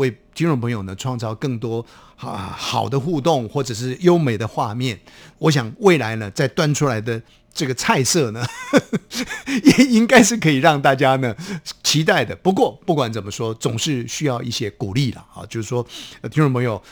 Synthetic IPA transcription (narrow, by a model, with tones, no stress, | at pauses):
we˥˩ɪt̪ʰi˥ŋnʈ͡ʂŋpʰɤ˧˥ŋjo˨˩ʊnə˦ʈ͡ʂʰwɑ˥˧ŋt͡sɑ˥˧ʊkɤ˥˩ŋt̪wɔ˥ | ə̰˧xɑ˨˩ʊd̪ə˦xu˥˧t̪ʊ˥˩ŋxwɔ˥˩ʈ͡ʂɤ˨˩ʂ̬ɻ̩˥˩jo˥ʊme˨˩ɪd̪ə˦xwa˥˧mjɛ˥˩nwɔ˧˥ɕ̬jɑ˨˩ŋwe˥˩ɪla˧˥ɪnə˧t͡sa˥˩ɪt̪wa˥nʈ͡ʂʰu˥la˧˥ɪd̪ə˧ | ʈ͡ʂɤ˥˩ɡə˩t͡sʰa˥˧ɪsɤ˥˩nə˩ | ɛ˨˩i˦˥ŋka˥ɪʂ̬ɻ̩˥˩kʰɤ˧˥i˨˩ɻɑ˥˧ŋt̪a˥˩t͡ɕja˥nə˨t͡ɕʰi˧˥t̪a˥˩ɪd̪ə˩pu˧˥k̬wɔ˥˧pu˥˩kwa˨˥nt͡sə˨˩mə˦ʂwɔ˥t͡sʊ˨˩ŋʂɻ̩˥˧ɕy˥jɑ˥˧ʊʔi˥˩ɕjɛ˥ku˨˩li˥˩lə̰˩ɑ̰˧t͡ɕjo˥˧ʊʂɻ̩˥˩ʂwɔ˥t̪ʰi˥nʈ͡ʂpʰɤ˧˥ŋjo˨˩ʊ